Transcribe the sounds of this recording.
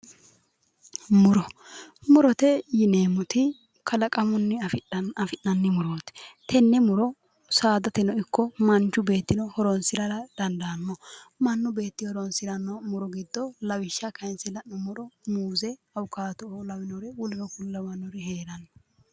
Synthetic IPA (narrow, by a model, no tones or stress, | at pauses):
mʊɾɔmʊɾɔt̪ɛjɪneːmʊt̪ɪ | kʰɐlɐkʼɐmʊnːɪɐfɪnːɐnːɪmʊɾoːt̪t̪ʰɛnːɛmʊɾɔ | saːd̪ɐt̪ɛnɔɪkʰːɔmɐnt͡ʃːʊbe̞ːt̪ːɪnɔhɔɾɔnsɪɾɐɾɐd̪̥ɐnd̪ɐnːɔmɐnːʊbe̞ːt̪ːɪhɔɾɔnsɪɾɐnːɔmʊɾɔɡɪd̪ːɔlɐwɪʃːɐkɐɪnsɪlɐnːɔmɔɾɔmuːzɛɐwʊkːaːt̪ɔolɐwɪnɔɾɛwʊlɪnɔkʊlːɐmɐnːɔɾɪheːɾɐnːɔ̥